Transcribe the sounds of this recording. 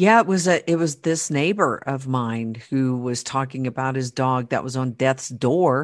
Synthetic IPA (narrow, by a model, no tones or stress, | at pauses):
jæɪt̚wʌzɨʔɪt̚wʌzðɪsneɪbə˞ʔʌvmãɪ̃nd̚hʉwʌz̥tʰɔkɪ̃ŋɨbaʊt̚hɨzdɔɡ̚ðɨ̰ʔwʌzn̩dɛθsd̥ɔɹ